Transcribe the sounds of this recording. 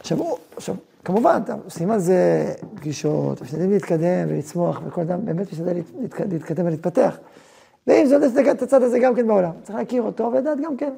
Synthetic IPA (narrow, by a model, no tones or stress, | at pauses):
aχʃavuaχʃa̰v | kamuvant̪a̰simanzebɡiʃot̪meʃt̪ad̪imliːt̪kad̪e̞mvelit͡smo̞aχveko̞lad̪ambe̞ːmet̪miʃt̪ad̪ellit̪liːt̪kad̪emveliːt̪pateaχ | veimzeod̪eʃtaɡaet̪at͡sad̪hazeɡamkenbeolamt͡sʁiχleːkiʁot̪o̞velad̪aːt̪ɡamken